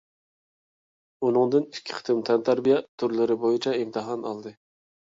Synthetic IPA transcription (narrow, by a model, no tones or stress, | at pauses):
unɨŋd̪ɨnɪ̥kʲʰːɪ̥qʰɨ̥t̪ʰɨmt̪ʰɛnt̪ʰæɾbijɛt̪ʰːʊɾlɪɾɪbojɪt͡ʃʰɛɪmt̪ʰɨɦɑnɑlˠd̪ɨ